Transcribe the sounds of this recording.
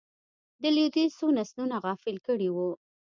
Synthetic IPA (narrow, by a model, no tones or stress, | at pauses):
d̪əlud̪isonasnunaɣɑfɪlkəɽiwu